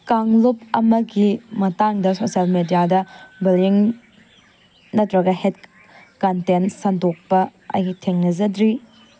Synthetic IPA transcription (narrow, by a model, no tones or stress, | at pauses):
kaŋlop̚ɐmɐɡimɐtaŋdɐsosalmedijadɐbiliŋ | nɐtɾɐɡɐhet | kɐntensɐndok̚pɐɐ̰jɡitʰeŋnɐzɐdɾi